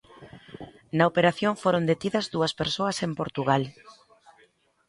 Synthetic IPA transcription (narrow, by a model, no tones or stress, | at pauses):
nɐopeɾaθjoɱfoɾond̪et̪iðɐzðuɐspeɾsoɐsempoɾt̪uɣ̞al